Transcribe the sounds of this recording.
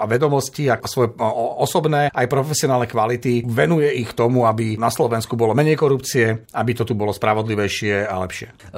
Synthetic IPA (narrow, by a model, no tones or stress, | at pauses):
ʋɛd̪ɔmɔsciasʋɔjɛɔsɔbnɛːʔajpɾɔfɛsiɔnaːlnɛkʋalit̪iʋɛnujɛixkt̪ɔmuabinaslɔʋɛnskubɔlɔmɛɲɛjkɔɾupt͡siɛabit̪ɔt̪ubɔlɔspɾaʋɔd̪liʋɛjʃɪɛa̰lɛpʃɪɛ